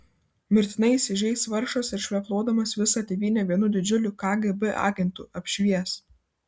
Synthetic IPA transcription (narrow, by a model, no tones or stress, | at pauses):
mʲɪɾʲt̪ʲɪnɐɪisʲɪʒʲɛɪsʋɐɾʃoːsɪɾʃʲʋʲɛplˠoːd̪ɐmɐsʋʲɪsɑːt̪ʲeːʋʲiːnʲoːʋʲiɛnʊd̪ʲɪd͡ʒʲʊlʲʊkɑːɡɛbɛʔɑ̰ːɡʲɛnt̪uːʔɐpʲʃʲʋʲiɛs